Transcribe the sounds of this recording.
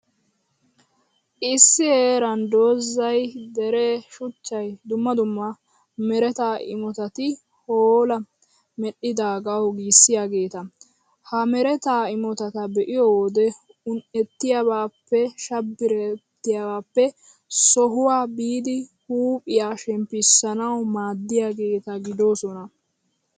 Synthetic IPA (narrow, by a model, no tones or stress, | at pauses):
ʔɪsːɪheːɾɐnd̪oːzːɐjd̪ɛɾɛʃʊt͡ʃːɐjd̪ʊmːɐd̪ʊmːɐ | mɛɾɛt̪aːʔɪ̰mɔt̪ɐt̪ɪ | hoːlɐ | mɛɗːɪd̪aːɡɐwɡiːsːɪjaːɡe̞ːt̪ɐ | hɐmɛɾɛt̪aːɪmɔt̪ɐt̪ɐbɛʔɪjod̪ɛ | ʊnʔɛt̪ːɪjabaːpːɛʃɐbːɪɾɛt̪ːɪjawaːpːɛ | sɔɦʊwaːbiːd̪ɪhuːpʼɪjaːʃɛmpːɪsːɐnɐwmaːd̪ːɪjaɡe̞ːt̪ɐɡɪd̪o̞ːsɔnɐ